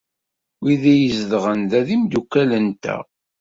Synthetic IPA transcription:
wiðæjəzðʁənðæðimd̪ukːælənt̪æ̰

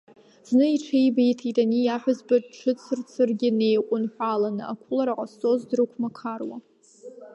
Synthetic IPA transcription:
z̥nɨiʈ͡ʂʰejbejtʰitʼanijaħʷazbaʈ͡ʂʰɨt͡sʰɨrt͡sʰɨrɡʲɪne̞jqʷʼʊnħʷalanɨa̰kʷʰʊlaɾaqʼast͡sʼo̞zdrɨkʷʰmakʰarwa̰

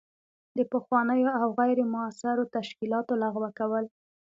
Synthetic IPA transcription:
d̪əpəxwɑnəjoawɣajɾemʊasɪɾot̪aʃkilɑt̪olaɣwakawəl

